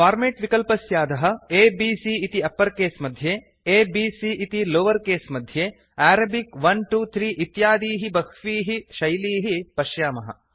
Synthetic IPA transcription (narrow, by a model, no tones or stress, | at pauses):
faːɾmeːʈʋikɐlpɐsjaːd̪ɐɦɐ̆eːbiːsiːt̪iɐpːɐɾkeːsmɐd̪ʱjeː | eːbiːsiʔit̪iloːʋɐɾkeːsmɐd̪ʱjeː | æːɾɐbikʋɐnʈuːt̪ʰɾiːʔit̪jaːd̪iːɦibɐkʋiːɦiʃɐjliːɦipɐʃjaːmɐɦɐ̰